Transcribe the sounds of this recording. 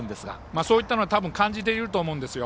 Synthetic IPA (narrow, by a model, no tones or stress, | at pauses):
nd̪esɡa̰ | maːso̞ːit̪ːano̞at̪abɯ̟̃ŋkãɲ̟d͡ʑit̪̬eiɾɯ̟t̪o̞ːmoɯ̟̃nd̪e̞sɨjo